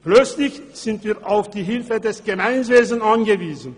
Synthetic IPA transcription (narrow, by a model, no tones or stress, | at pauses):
plœt͡slɪçz̥ɪntv̥iːɐʔaʊfd̥iːɦɪlfədɛsɡ̥əmaɪnv̥eːzn̩anɡəviːzn̩